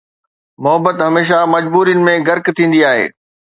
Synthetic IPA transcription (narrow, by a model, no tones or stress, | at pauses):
mʊɦəbət̪ɦɐmeːʃ̬amɐd͡ʑbuːɾijənɪ̆mẽɡɐɾkt̪ʰĩːn̆d̪iaːɦḛː